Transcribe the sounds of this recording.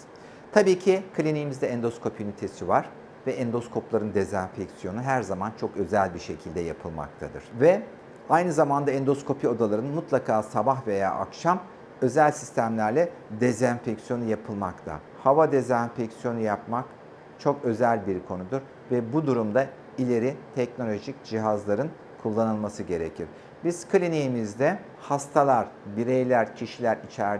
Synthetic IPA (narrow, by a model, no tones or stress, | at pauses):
t̪ʰabiːcʰikʰlʲinijmizd̪ɛɛnd̪o̞skʰo̞pʰynit̪ʰesivaɾ̥ | vɛɛnd̪o̞skʰo̞plˠaɾɯnd̪ezænʲfɛcsijo̞nuɦæɾzamant͡ʃʰo̞kø̞zælʲbiʃe̞cʰilʲd̪ɛja̰pʰɯlˠma̰k̚t̪ʰad̪ɯ̰ɾ̥vɛ | ajnɯzamand̪aɛnd̪o̞skʰo̞pʰio̞d̪alˠaɾɯnmut̪lˠakʰaːsabaxve̞ja̰ːʔa̰kʃam | ø̞zælʲsist̪ʰæmlʲæɾlʲɛ | d̪ezænfɛcsjo̞nujapʰɯlˠmakt̪ʰa̰ | havad̪ezænfɛcsijo̞nujapmak | t͡ʃʰo̞kø̞zælʲbiɾkʰo̞nud̪uɾ | vɛbud̪uɾumd̪a | ilʲe̞ɾit̪ʰɛcno̞lʲo̞ʒicd͡ʒiɦazlˠaɾɯn | kʰulˠːanɯlˠmasɯɟe̞ɾḛcʰiɾ̥ | biz̥kʰɯlʲiniimizd̪ɛ | hast̪ʰalˠaɾ̥biɾejlʲæɾcʰiʃilʲæɾit͡ʃʰæɾ